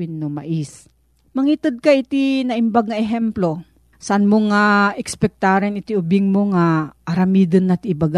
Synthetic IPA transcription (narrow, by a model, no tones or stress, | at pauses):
ɪnːomɐ̰ʔis | mɐŋit̪ɨd̪̚kɐʔɪt̪inɐʔɪmbaɡ̚ŋɐʔɛɦɛmplo | sɐʔanmoŋaʔɛkspɛk̚t̪aɾɛnɪt̪iʊbɪŋmoŋaʔɐɾɐmiːd̪ɐnːɐt̪ɪbaɡa